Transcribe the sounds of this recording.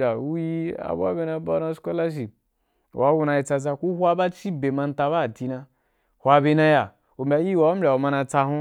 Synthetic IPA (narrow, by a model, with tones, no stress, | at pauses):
a˨u˦ji˦a̰˨bʷa̰˦be˧na˧ba˦na˧sko˦la˦ʃ̬i˨p̚ | wa˨˦wu˧˦na˧ji˧t͡sa˧z̬a˧ku˦hʷa˦ba˦t͡ʃi˦be˨ma˧n˦ta˧ba˦˨ti˧na˧ | hʷwʷa˧be˧na˧ja˨ | u˨m̩˨bʲa˨ji˦˨wa˨wm̩˦bʲa˨o˨ma˧na˧t͡sa˧ɦũ˦